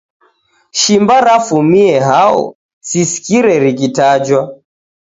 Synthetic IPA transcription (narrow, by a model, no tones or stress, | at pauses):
ʃimbaɾafumiɛɦaɔ̰ | sisi̥kiɾɛɾik̬itad͡ʒwa